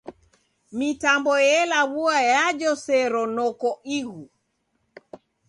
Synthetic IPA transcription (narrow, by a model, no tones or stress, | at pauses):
mitambɔjɛlaβuajad͡ʒɔsɛɾɔnɔkɔiɣu